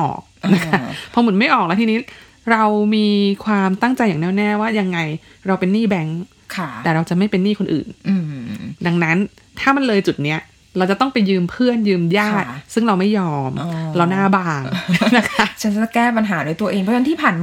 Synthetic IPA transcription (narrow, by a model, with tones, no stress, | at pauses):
ʔɔ̰ː˨˩k̚ʔna˦˥kʰa˦˥pʰɔ˦˥mɯ˩˦ma˥˩jʔɔː˨˩k̚lɛ˦˥t̪ʰi˧niː˦˥ | ɾa˧wmiː˧kʰwaː˧mt̪a˥˩ŋt͡ɕa˧jaː˨˩nɛː˥˩nɛː˥˩waː˥˩ja˧ŋːa˧j | ɾa˧wpe˧nːiː˥˩bɛ˦˥ŋ | kʰa˧˩ɛː˨˩ɾa˧wt͡ɕa˨˩ʔma˥˩jpe˧nːiː˥˩kʰo˧nʔɯ̰ː˨˩nʔɯ˧da˧ŋna˦˥n | t̪ʰaː˥˩ma˧nlɤː˧jt͡ɕu˨˩t̪̚ni˦˥ɐ | ɾa˧wt͡ɕa˨˩t̪ɔ˥˩ŋpa˧jːɯː˧mpʰɯ˥˩ənjɯː˧mjaː˧˥˩t̪sɯ˥˩ŋɾa˧wma˥˩jːɔː˧mɾa˧wnaː˥˩baː˧ŋ˧na˦˥kʰa˦˥t͡ɕʰa˦˥na˧a˧˩kɛː˥˩pa˧nɦaː˩˦du˧jt̪u˧ɐʔeː˧ŋpʰɔ˦˥ta˧nt̪ʰiː˥˩pʰaː˨˩nmː